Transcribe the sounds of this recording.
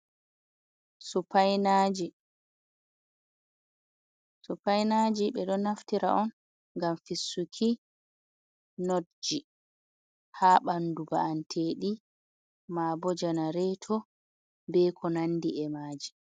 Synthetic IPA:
supajnad͡ʒi | supajnaːd͡ʒiɓɛɗɔnaftiɾa̰ʔɔn | ɡamfisːukʰi | nodd͡ʒi | haɓanduba̰antʰeːɗi | maːbɔd͡ʒanaɾɛtʰɔ | bɛkʰɔnanːdiɛmaːd͡ʒi

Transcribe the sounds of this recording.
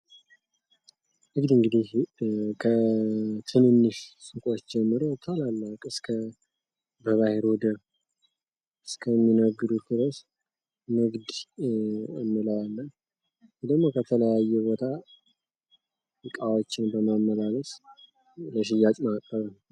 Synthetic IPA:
ʔɨɡd̪ɨŋɡɨd̪ihkʰət̪ʰɨnɨnːɨʃsʼɨkʼot͡ʃːd͡ʒɛmːɨɾot̪ʰalalːakʼɨskʰə | bəβaheɾɔd̪ə | ɨskʰəmːinəɡːɨd̪ut̪ɨɾəs | mɨɡd̪ | ə̰mːɨləwalːə | d̪əɡmːo̞kʰət̪ʰələjajːɛbo̞t̪ʰa | jɨkʼawot͡ʃːɪnbəmamːəlaləs | ləʃ̬ɪjːat͡ʃʼmakʼːəβən

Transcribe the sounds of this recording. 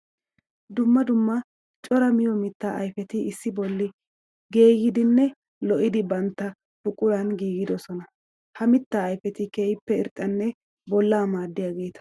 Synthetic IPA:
d̪ʊmːɐd̪ʊmːɐ | t͡ʃʼɔɾɐmɪjɔmɪt̪ːa̰ʔɐ̰jfɛt̪ɪɪsːɪbɔlːɪ | ɡe̞ːɡɪd̪ɪnːɛ | lɔʔɪd̪ɪbɐnt̪ːɐ | bʊkʼʊɾɐnɡiːɡɪd̪ɔsɔnɐ | hɐmɪt̪ːaːjfɛt̪ɪkeːjɪpːɛɪɾt̪ʼːɐnːɛ | bɔlːaːmaːd̪ːɪjaɡe̞ːt̪ɐ̥

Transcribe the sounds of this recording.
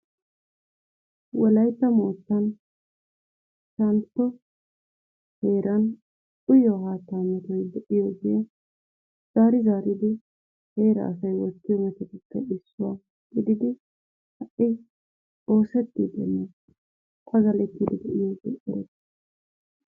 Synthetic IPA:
wɔlɐjt̪ːɐmoːt͡sːɐn | ʃɐnt̪ːɔ | he̞ːɾɐn | ʔʊjɔɦaːt̪ːaːmɛt̪ɔjd̪ɛʔɪjɔɡe | z̥aːɾɪzaːɾɪd̪ɪ | he̞ːɾɐ̰ːs̬ɐjwɔt̪ːɪjɔmɛt̪ɛt̪ɪkːɐɪsːʊwa | ɡ̥ɪd̪ɪd̪ɪ | hɐʔɪ | o̞ːsɛt̪ːid̪ɛ̰nːɛ | t̪ʰɐɡɐlɛt̪ːɪd̪ɪd̪ɛʔɪjɔɡɛʔɪɾɛ̰s

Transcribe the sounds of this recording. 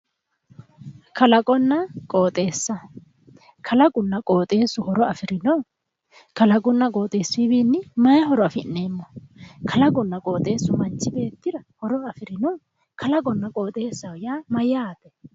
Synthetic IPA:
kɐlɐkʼɔnːɐkʼoːt̪ʼe̞ːsːɐ | kʰɐlɐɡʊnːɐkʼo̞ːt̪ʼe̞ːsːʊhɔɾɔɐfɪɾɪnɔw | kɐlɐɡʼʊnːɐkʼo̞ːt̪ʼe̞ːsːʊɪbiːnːɪmɐjɐɦɔɾɔɐfɪnːeːmːɔkʰɐlɐɡʊnːɐkʼo̞ːt̪ʼe̞ːsːʊmɐnt͡ʃːɪbe̞ːt̪ːɪdɐhɔɾɔɐfɪɾɪnɔw | kʰɐlɐɡʼɔnːɐkʼo̞ːt̪ʼe̞ːsːɐwjaːmɐjaːt̪ɛ

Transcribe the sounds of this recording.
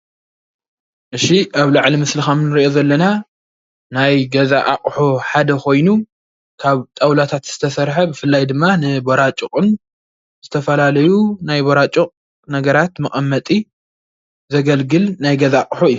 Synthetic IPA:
ʔɨʃiʔaβlaʕlimɨslixamnɨɾiʔo̞zɐlːɐna | najɡɐzaʔa̰qʼħoħad̪ɐkʰo̞jnu | kʰaβt̪ʼawlat̪ʰat̪z̥ɨt̪ʰɐsɐɾħɐbɨfɨlːajd̪ɨmːanɨboɾat͡ʃʼukʼɨn | z̥ɨt̪ʰɐfɐlalɐjunajboɾat͡ʃʼuqʼ | nɐɡɐɾat̪mɨχʼɐmːɐt̪ʼi | zɐɡɐlɡɨlnajɡɐzaqʼħoɨjːu

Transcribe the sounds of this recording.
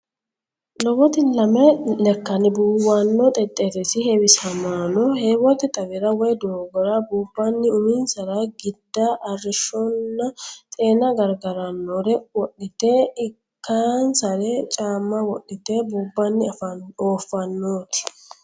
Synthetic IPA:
lɔwɔt̪ɪlɐmɛlɛkːɐnɪbuːwanːɔt̪ʼɛt̪ʼːeɾɛsɪhɛwɪsɐmaːnɔheːwɔt̪ɪt̪ʼɐwɪɾɐwɔjd̪oːɡɔɾɐbuːbːɐnːɪʊmiːnsɐɾɐɡɪd̪ːaʔɐrɪʃɔnːɐt̪ʼe̞ːnɐɡɐɾɡɐɾɐnːoɾɛwɔɗːɪt̪eɪkːaːnsɐɾɛt͡ʃʼaːmːɐwɔɗɪt̪eːbuːbːɐnːɪoːfːɐnːoːt̪ɪ̥

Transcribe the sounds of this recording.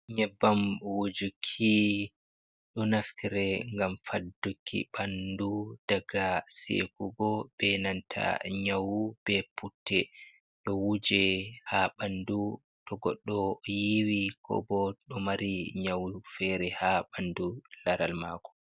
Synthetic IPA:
ɲɛbːamwud͡ʒukʰːi | ɗɔnaftʰiɾɛŋɡamfadːukʰːḭɓandud̥aɡasḛkuɡɔb̥ɛnantʰa̰ɲawub̥ɛpʰutːɛ | ɗɔwud͡ʒɛhaɓandu | tɔɡɔɗːɔjiwikʰɔ̰bɔɗɔmaɾiɲawufɛɾɛhaɓandulaɾalma̰kɔ̥

